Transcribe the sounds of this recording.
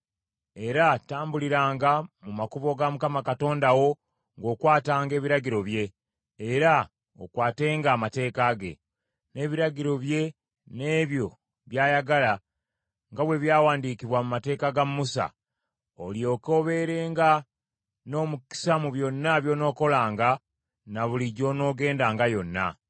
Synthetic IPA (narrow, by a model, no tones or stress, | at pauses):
e̞ɾataːmbuliɾaːŋɡamumakuβo̞ɡamukamakato̞ːndawo̞ | ŋɡo̞ːkwaːtaːŋɡe̞ːβiɾaɟiɾo̞βje̞ː | ɾa | o̰kwaːte̞ːŋɡaːmate̞ːkaɡe̞̰ | ne̞ːβiɾaɟiɾo̞βje̞ | ne̞ːβjo̞ | βjaːjaɡala | ŋɡaβwe̞βjaːwaːndikiβwamumate̞ːkaɡamːusa̰ | o̞ljo̞ko̞βe̞ɾe̞ːŋɡa | no̞ːmuki̥samuβjo̞nːaβjo̞no̞ːko̞laːŋɡa | naβuliɟo̞no̞ːɡe̞ːndaːŋɡajo̞nːa̰